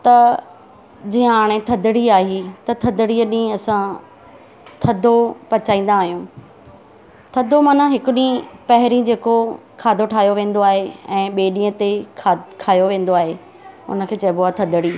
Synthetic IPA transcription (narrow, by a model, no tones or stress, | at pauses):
t̪ɐ | d͡ʑĩːə̃aːɽ̃et̪ʰɐd̪ɪɽiaːɦit̪ɐt̪ʰɐd̪ɪɽiɗĩɐsã | t̪ʰɐd̪ʱopɐt͡ɕaːĩːn̆d̪aːɦijũː | t̪ʰɐd̪ʱomɐːn̤ãɦɪkʊɗĩpɐɦɪɾĩd͡ʑeːko | kʰaːd̪ʱoʈʰaːjoʋẽːn̆d̪oaːɦeɛ̃ːɓeːɗĩːət̪ekʰakʰaːjoʋẽːn̆d̪oaːɦe | ʊ̰nə̆kʰeːt͡ɕɐboat̪ʰɐd̪ʱəɽiː